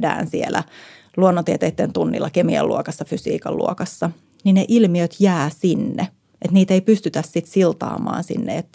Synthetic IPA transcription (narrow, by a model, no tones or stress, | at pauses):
dæ̰ːnsielæ | luonːot̪iet̪ejt̪ːent̪unːḭlːɑkemiɑ̰lːṵokɑsːɑfysḭːkɑ̰llṵokɑsːɑ | nineʔilmiøt̪jæːsinːe | ʔet̪niːt̪eipyst̪yt̪æssit̪silt̪ɑ̰ːmɑ̰ːnsḭnːḛet̪ː